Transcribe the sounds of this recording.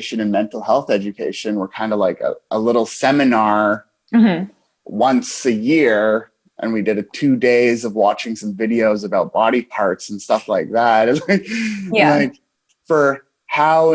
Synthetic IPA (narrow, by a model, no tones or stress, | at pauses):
ʃɨ̃nɨ̃nmɛ̃ntˡl̩ˠhɛlˠθɛd͡ʒɨkʰeɪʃɨ̃nwə˞kʰãɪ̃ndəlaɪkə̰ʔəlɪɾl̩ˠsɛmɨnɑɹ̥ | wʌ̃nsɨjɪɹ | ʔə̰̃nwidɨɾɨtʰʉdeɪzʌvwɑt͡ʃɪ̃ŋsʌ̃ɱvɪɾioʊzɨbaʊt̚b̥ɑɾipʰɑɹtsn̩stʌflaɪk̚ðæt̚ɨ̃aɪklaɪk | fə˞ | haʊ